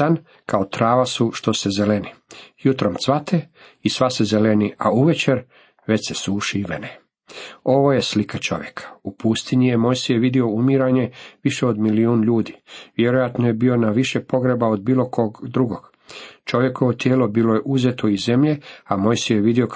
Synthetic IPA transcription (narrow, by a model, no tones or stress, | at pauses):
an | kaot̪ɾaːʋasuʃt̪o̞sezelenijut̪ɾomt̪sʋat̪ʰe | isʋasezelenia̰uʋet͡ɕeɾ | ʋe̞t͡ɕsesuːʃiiʋḛne | o̞ʋo̞jeslikʰat͡ʃo̞̰ʋjekʰḁupust̪iɲijemojsijeʋid̪io̞umiɾaɲe̞ʋiʃeod̪miliuːnʎuːd̪iʋjeɾojat̪noje̞bio̞naʋiʃepo̞ɡɾebaod̪biːlˠo̞kʰo̞ːɡd̪ɾuɡo̞ɡ̥ | t͡ʃo̞ʋje̞ko̞ʋot̪jeːlo̞biːlojeʔuzet̪oize̞mʎe̞amojsijeʋid̪io̞k